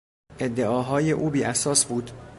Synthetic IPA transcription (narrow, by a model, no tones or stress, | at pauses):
ʔe̞d̪ːeʔɒːɦɒːje̞ʔuːbiːʔæsɒːsbuːd̪̥